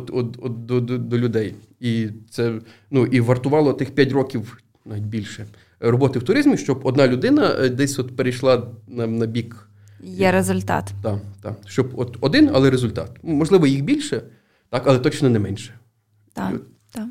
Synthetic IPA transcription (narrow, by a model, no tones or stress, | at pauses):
ɔt̪ɔt̪ɔt̪̚d̪ɔd̪d̪ɔlʲʊd̪ɛj | it̪sɛ | nuʔiʋɐrt̪ʊʋɑlˠɔt̪ɪxpʲjatʲrɔkʲiw | nɑʋʲit̚ʲbʲilʲʃɛ | rɔbɔt̪ɪwt̪ʊɾɪzmʲiʃt͡ʃɔbɔd̪nɑlʲʊd̪ɪnɐd̪ɛsʲɔt̪peɾejʃlˠɑnɐnɐbʲik | jɛɾezʊlʲt̪ɑ̰t̪t̪ɑt̪ɑ̰ʃt͡ʃɔbɔt̪ɔd̪ɪnɐ̰lˠɛɾezʊlʲt̪ɑ̰t̪mɔʒlˠɪʋɔjixbʲilʲʃɛ | t̪ɑkɐlˠɛt̪ɔt͡ʃnɔnɛmɛnʲʃɛ̥